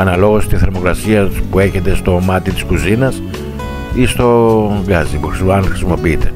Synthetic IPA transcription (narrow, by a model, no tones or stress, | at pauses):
ɐnɐlo̞ɣo̞st̪isθe̞ɾmo̞kɾɐsiɐpue̞çe̞t̪e̞st̪o̞mɐt̪it̪i̥skuzinɐs | ist̪o̞ɡɐzipuxɾsɐnxɾisimo̞piit̪e̞